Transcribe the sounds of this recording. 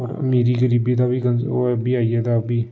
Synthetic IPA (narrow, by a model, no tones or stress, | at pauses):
ɔːɾmeːɾiɡəɾiːbit̪abʱiːkənbʱiːaːiːɛt̪abʱiː